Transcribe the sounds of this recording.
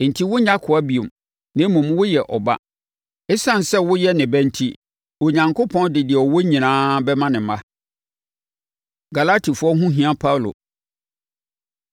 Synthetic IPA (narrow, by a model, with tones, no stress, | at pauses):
n̩˨tʰi˦wʊ˦ɲã˦kʰʊ˨a˦bi˨o˨m | nɪ̃˦mũ˨m˦wʊ˦jɛ˨ʔɔ˨ba̰˦ | ɪ˦sã˦˨n˨sɛ˦wʊ˦jɛ˦nɪ̃˨bæ̃˦n̩˦tʰi˦ | wo˨ɲã˨ŋkʰo˦pʰɔ̃˦ndɪ˨dɪ˨ɛ˨ɔ˨wo˦ɲĩ˨nãː˦bɛ˦mã˦nɪ̃˨mã˦ | ɡa˨la˦tʰi˨fʊ˦ɔ˦ɦũ˦ɦĩ˨ã˦pʰa˦wlo̰˨